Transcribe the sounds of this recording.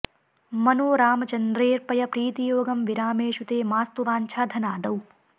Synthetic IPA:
mɐnoːɾaːmɐt͡ʃɐnd̪ɾeːɾpɐjɐpɾiːt̪ijoːɡɐmʋiɾaːmeːʃut̪eːmaːst̪uʋaːnt͡ʃʰaːd̪ʱɐnaːd̪ɐw

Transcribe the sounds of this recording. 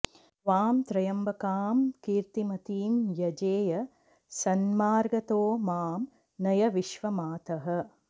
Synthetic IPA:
ʋaːmt̪ɾɐjɐmbɐkaːmkiːɾt̪imɐt̪iːnjɐd͡ʒeːjɐ | sɐnmaːɾɡɐt̪oːmaːm | nɐjɐʋiʃʋɐmaːt̪ɐɦɐ̆

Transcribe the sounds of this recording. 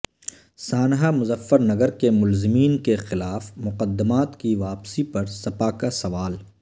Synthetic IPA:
saːnɦamʊzəfːəɾnɐɡəɾkemʊlzɪmiːnkexɪlaːfmʊqəd̪ːɪmaːt̪kiʋaːpsipɐɾsɐpaːkasɐʋaːl

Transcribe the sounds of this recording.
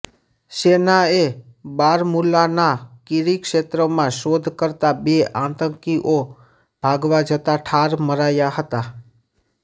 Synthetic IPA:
senaebaɾmulːanakiɾikʃet̪ɾəmãʃod̪ʱkəɾt̪abeãt̪əŋkiʔo | b̥ʱaɡʋad͡ʒət̪aʈʰaɾməɾajaɦət̪a

